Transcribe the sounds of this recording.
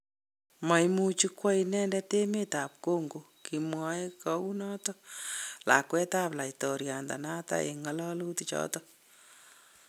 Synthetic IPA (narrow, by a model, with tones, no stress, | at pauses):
ma˨jmu˦t͡ʃi˦kwa˦inɛ˦ndɛte˦me˦ta˨p̚ko˦ŋɡo˨ | ki˨mwa˦kɔ˦u˦nɔ˦tɔla̰˨kwɛ˦ta˦pla˨itɔ˨ɾja˨nda̰˨na˦ta̰˦ḛ˨ŋɔ˦lɔ˦lu˦tit͡ʃɔ̰˦tɔ